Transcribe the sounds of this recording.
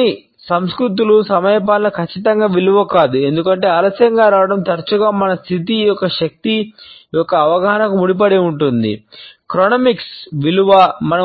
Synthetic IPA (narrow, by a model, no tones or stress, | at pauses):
i | sɐmskɾut̪̬ulusɐmɐjɐp̬aːlːɐkʰɐt͡ʃːit̪ɐŋɡaːʋiluʋɐkaːd̪ue̞nd̪ukɐɳʈe̞ːɐlɐsjɐŋɡaːɾaːʋɐɽɐmt̪ɐɾt͡ʃuɡaːmɐnɐst̪ʰit̪̬ijɔkːɐʃɐk̚t̪ijɔkːɐːʋɐɡɐɦɐnɐkumuɽip̬ɐɽeuɳʈund̪ḭkɾoːnɐmiksʋiluʋɐmɐnɐ